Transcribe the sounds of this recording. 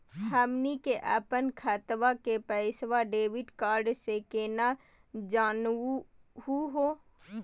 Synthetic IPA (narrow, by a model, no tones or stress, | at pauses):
həːmnikeʔa̰ːpənkʰaːt̪ʋakepəɪsʋaɖeːʋɪɖkaːɾɖsekeːna | d͡ʒaːn | ɦuɦoː